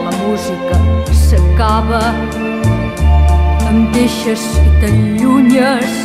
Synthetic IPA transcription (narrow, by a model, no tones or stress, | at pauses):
ləmuzikəsəkaβə | əmd̪eʃəskət̪əʎuɲəs